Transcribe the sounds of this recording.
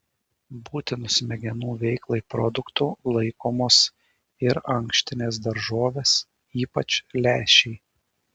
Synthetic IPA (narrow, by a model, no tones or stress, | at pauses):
buːt̪ʲɪnʊsmʲɛɡʲɛnuːʋʲɛɪklˠɐɪpɾɔd̪ʊkt̪uːlˠɐɪkoːmoːs | ɪɾɐŋkʃʲt̪ʲɪnʲeːs̬d̪ɐɾʒoːʋʲeːs | iːpɐt͡ʃʲlʲæːʃʲɛɪ